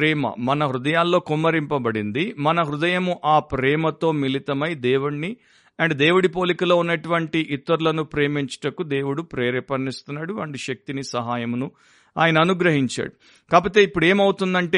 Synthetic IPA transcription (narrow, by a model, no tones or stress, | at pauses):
ɾɛːmɐ̰mɐnɐɦɾud̪ɐjaːlːoːkumːɐɾimpɐbɐɽind̪imɐnɐɦɾud̪ɐjɐmuʔaːpɾɛːmɐt̪o̞ːmilit̪ɐmɐjd̪eːwuɳni | ɐɳɖd̪eːwuɽipo̞ːlikɐloːunːɐʈuʋɐɳʈiʔit̪ːɐɾulɐnupɾeːmiɲt͡ʃɐ̥ʈɐkud̪e̞ːwuɽupɾɛːɾɛpɐnːist̪unːaːɽuɐɳɖiʃɐk̚t̪inisɐɦaːjɐmunu | a̰ːjɐnɐːnuɡɾɐɦiɲt͡ʃa̰ːɽu | kaːpoːt̪e̞ːipːuɽe̞ːmɐwut̪und̪ɐɳʈeː